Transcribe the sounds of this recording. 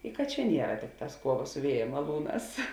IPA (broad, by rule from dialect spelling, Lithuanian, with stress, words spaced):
ɪ kɐt ˈt͡ʃʲɛ ˈnʲiɛrɐ ˈtʲɪkˌtɑːs ˈkuɔˌʋɐ sʊ ˈʋʲiɛjɛ mɐˈlˠuːˌnɑːs